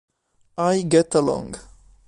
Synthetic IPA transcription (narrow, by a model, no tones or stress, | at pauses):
ajɡɛtəlɔ̰̃ŋɡ